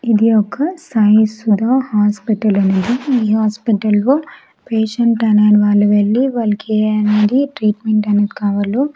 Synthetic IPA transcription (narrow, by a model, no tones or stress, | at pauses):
id̪iɔkːɐsajsud̪ʱaːhaːspiʈɐlɐnɐd̪iiːɦaːspiʈɐlʋoː | peːʃɐɳʈɐnɐniʋaːɭːuʋeɭːiʋɐːlɐkʰeːɐned̪iʈɾiːʈmeɳʈɐned̪ikaːʋɐloː